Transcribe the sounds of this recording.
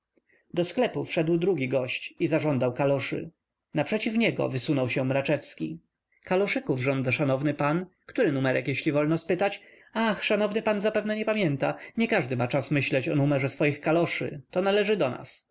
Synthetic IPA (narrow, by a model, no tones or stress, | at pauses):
d̪ɔsklɛpufʂɛd̪wd̪ɾuɡʲiɡɔɕt͡ɕizaʐɔnd̪awkalɔʂɘ̰ | napʂɛt͡ɕifɲɛɡɔ̰vɘsunɔwɕɛmɾat͡ʂɛfskʲḭ | kalɔʂɘkuvʐɔnd̪aʂanɔvnɘpankt̪uɾɘnumɛɾɛkjeɕlʲivɔlnɔspɘt̪at͡ɕ | axʂanɔvnɘpanzapɛvnɛɲɛpamʲjɛnt̪aɲɛkaʐd̪ɘmat͡ʂasmɘɕlɛt͡ɕɔnumɛʐɛsfɔjixkalɔʂɘ̰t̪ɔnalɛʐɘd̪ɔna̰s